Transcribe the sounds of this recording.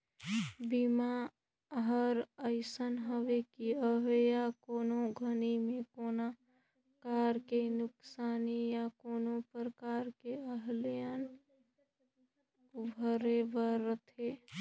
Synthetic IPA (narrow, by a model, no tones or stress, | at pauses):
bima | ɦəɾəɪsənɦəʋekiəɦejakoːnoɡʱənimẽkoːna | kaɾkenʊksaːnijakoːnopɾəkaɾkeəɦljən | bʱəɾebəɾət̪ʰe